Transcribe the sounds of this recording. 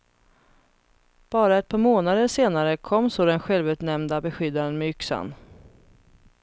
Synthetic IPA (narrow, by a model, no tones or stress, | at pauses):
b̥ɑːɾaɛt̪̚pʰɑːɾmoːnad̪əʂeːnaɾəkʰɔmːsoːd̪ɛnɧɛlvʉːt̪nɛmnd̪abɛɧʏd̪ːad̪ənmɛʏksa̰n